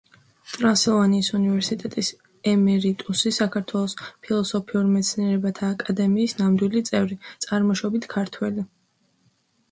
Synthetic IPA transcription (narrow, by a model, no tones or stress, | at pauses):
t̪ʼɾasɛlˠvaniːsunivɛɾsit̪ʼɛt̪ʼis | ɛmɛɾit̪ʼusisakʰaɾt̪ʰwɛlˠɔspʰilˠɔsɔpʰiuɾmɛt̪sʰniɛɾɛbat̪ʰaːkʼad̪ɛmiːsnamd̪wilit̪sʼɛvɾit̪sʼaɾmɔʃɔbit̪ʰkʰaɾt̪ʰwɛli